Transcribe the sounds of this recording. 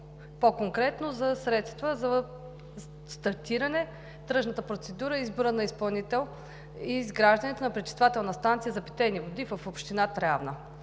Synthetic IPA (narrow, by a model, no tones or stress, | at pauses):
pokoŋkɾɛt̪nozɐsɾɛt̪st̪vəzɐ | st̪ɐɾt̪iɾɐnɛ | t̪ɾɤʃnət̪əpɾot̪sɛd̪uɾəizboɾənɐispɐlˠnit̪ɛlˠ | izɡɾaʒd̪ɐnɛt̪onɐpɾɛt͡ʃ̪i̥st̪vat̪ɛlˠnəst̪ant̪sijəzɐpi̥t̪ɛnivod̪ivəfopʃt̪inat̪ɾavnə